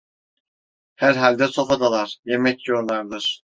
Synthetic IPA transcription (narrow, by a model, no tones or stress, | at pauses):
hæɾɦalʲd̪ɛso̞fad̪alˠaɾ̥jemɛcjoɾlˠaɾd̪ɯɾ̥